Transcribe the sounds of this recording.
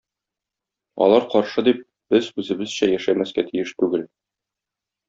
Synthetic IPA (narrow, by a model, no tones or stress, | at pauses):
ɒ̰lˠɑɾqɒɾʃɤd̪ip̚ | b̥ɘzʉzɘ̆bɘz̥ɕæjæʃæmæskæt̪ʰijɘʃt̪ʉɡɘl